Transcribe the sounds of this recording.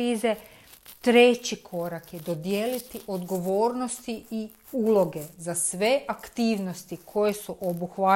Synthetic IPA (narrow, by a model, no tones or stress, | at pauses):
iːze̞ | t̪ɾe̞t͡ɕikʰo̞ɾakjed̪o̞d̪je̞ːlit̪iʔo̞d̪ɡo̞ʋo̞ːɾnost̪ii | uːlo̞ɡe̞zasʋe̞ʔakt̪iːʋnost̪ikʰo̞je̞suʔobuxʋa